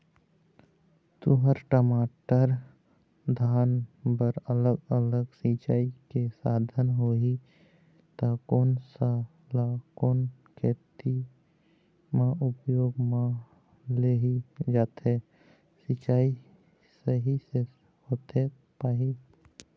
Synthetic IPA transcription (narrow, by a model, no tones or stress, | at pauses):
t̪ʊɦəɾʈəmaːʈəɾ | d̪ʱaːnbəɾələɡələɡsit͡ʃaːikesaːd̪ʱənɦoi | t̪akoːnsa | lakoːn | kʰeːt̪i | mãʊpjoːɡmã | leɦid͡ʒaːt̪ɦe | sit͡ʃaːi | səɦise | hoːt̪ɦe | paːɦi